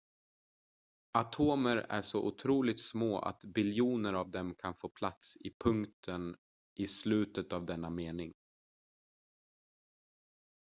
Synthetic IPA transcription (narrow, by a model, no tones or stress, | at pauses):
at̪ʰoːməɾæ̰ʂɔʔʊt̪ʰɾuːlɪt̪smoːʔa̰t̪bɪljuːnəɾavd̪ɛmkʰanfoːpʰlat̪sɪpʰɵŋkt̪ʰən | ʔɪslʉ̟ːt̪ət̪avd̪ɛnːameːnɪŋ